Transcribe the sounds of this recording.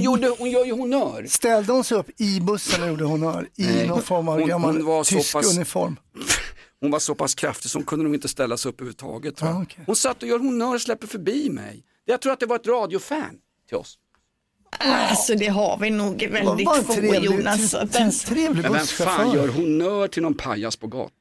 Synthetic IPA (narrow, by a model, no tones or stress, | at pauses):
juːɖəhʊnjœːɾjɵhʊnœːɾst̪ɛld̪əhʊnsɛjɵpːɪbɵsːənajuːɖəhʊnœːɾɪnɔfɔɾmaʊnvaɾsɔaɵnɪfɔɾm | hʊnvasɔpʰaskʰɾaft̪ɪsɔhʊnkʰɵnd̪ənuːɡɪnt̪əst̪ɛlːasɛɵpːhʉːʉvət̪ʰɑ̰ːɡət̪ʰhʊnsat̪ːɔjœːɾɦʊnœːɾɔslɛpːəɾfœɾbiːmɛ̰j | d̪̥ɛjat̪ʰɾuːɾat̪̚d̪ɛvaɾɛt̪ɾɑːd̪ɪʊfæ̰n | t̪ʰɪlɔ̰s | sɔd̪ɛɦa̰ɾvɪnuːɡvɛld̪ɪjuːnast̪t̪ʰɾeːvlɪmɛnfaːnjœːɾɦʊnːœːʈʰɪlnɔnpʰa̰jaspʰɔɡɑ̰ːt̪a